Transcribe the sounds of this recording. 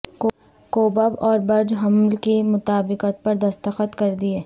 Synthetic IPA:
koːbəbɔːɾbɐɾd͡ʒɦɐmlkimʊt̪aːbɪqət̪̚pɐɾd̪ɐst̪əxət̪kɐɾd̪ieː

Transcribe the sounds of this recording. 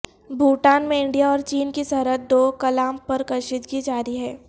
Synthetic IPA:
bʱuːʈaːnmẽɪ̃ɳɖijaɔːɾt͡ʃiːnkisɐɾət̪̚d̪oːkɐlaːmpɐɾkɐɾʃɪt̪ɡid͡ʒaːɾiɦɛː

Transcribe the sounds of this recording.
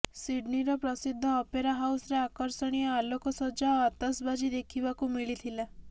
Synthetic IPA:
siɖniɾɔpɾɔsid̪ʱːɔːpeɾaɦawsɾeakɔɾsɔɽ̃ijɔalɔkɔsɔd͡ʒaɔat̪asbad͡ʒid̪ekʰibakumiɭit̪ʰila

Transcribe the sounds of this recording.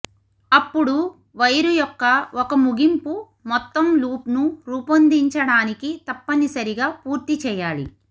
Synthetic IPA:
ɐpːuɽu | ʋɐjɾujɔkːɐɔkɐmuɡimpu | mɔt̪ːɐmluːpnuɾuːpɐnd̪iɲt͡ʃɐɽaːnikit̪ɐpːɐnisɐɾiɡaːpuːɾt̪it͡ʃɛːjaːlḭ

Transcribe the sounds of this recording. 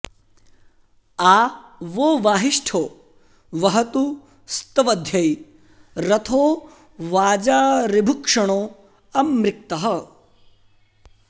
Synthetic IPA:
aːʋoːʋaːɦiʂʈʰoː | ʋɐɦɐt̪u | st̪ɐʋɐd̪ʱjɐj | ɾɐt̪ʰoː | ʋaːd͡ʒaːɾibʱukʂɐɳoː | ɐmɾɪk̚t̪ɐɦɐ̆

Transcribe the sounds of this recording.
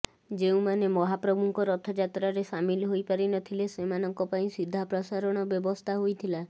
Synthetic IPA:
d͡ʒeũmanemɔɦapɾɔbʱuŋkɔɾɔt̪ʰɔd͡ʒat̪ɾaɾesamilɦojpaɾinɔt̪ʰilesemanɔŋkɔpaĩsid̪ʱːapɾɔsaɾɔɽ̃ɔbjɔbɔst̪ʰaɦojt̪ʰila

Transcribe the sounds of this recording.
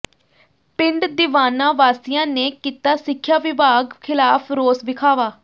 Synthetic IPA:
pɪɳɖd̪ɪʋaːnãːʋaːsɪjãːneːkiːt̪aːsɪkʰːjaːʋɪbaːɡkʰɪlaːpʰɾoːsʋɪkʰaːʋaː

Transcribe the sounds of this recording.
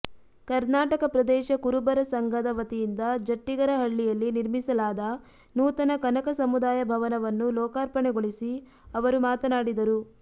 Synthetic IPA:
kɐɾnaːʈɐkɐpɾɐd̪ɛːʃɐkuɾubɐɾɐsɐŋɡʱɐd̪ɐʋɐt̪ijind̪ɐd͡ʒɐʈːiɡɐɾɐɦɐɭːijɐlːiniɾmisɐlaːd̪ɐ | nuːt̪ɐnɐkɐnɐkɐsɐmud̪aːjɐbʱɐʋɐnɐʋɐnːulɔːkaːɾpɐɳɛɡoɭisi | ɐʋɐɾumaːt̪ɐnaːɽid̪ɐɾu

